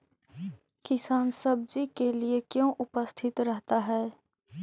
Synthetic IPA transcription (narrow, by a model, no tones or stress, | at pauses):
kɪsaːnsɐb̚d͡ʒikeliekjõʔʊpəst̪ʰɪt̪ɾɛɦt̪aɦɛː